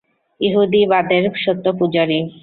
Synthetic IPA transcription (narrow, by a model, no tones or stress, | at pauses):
iɦud̪ibad̪eɾʃot̪ːopud͡ʑoɾi